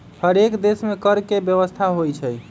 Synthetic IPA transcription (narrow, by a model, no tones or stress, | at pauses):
həɾekd̪esmekəɾkebjəβəst̪ʰaɦojt͡ʃʰəj